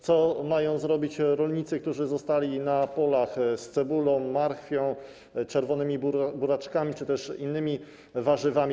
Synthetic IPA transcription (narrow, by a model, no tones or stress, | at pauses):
t̪sɔmajɔ̃w̃zɾɔbʲit͡ɕɾɔlɲit̪sɘk̚t̪uʐɘzɔst̪alʲinapɔlaxst̪sɛbulɔ̃w̃ːaɾxfʲjɔ̃w̃ | t͡ʂɛɾvɔnɘmʲibuɾat͡ʂkamʲit͡ʂɘt̪ɛʂinːɘmʲi | vaʐɘvamʲ